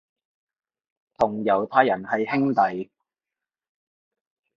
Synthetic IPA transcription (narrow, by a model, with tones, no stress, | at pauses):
t̪ʰʊ˨˩ŋjɐ˨˧wt̪ʰaː˥jːɐ˨˩nhɐ˨jhɪ˥ŋt̪ɐ˨j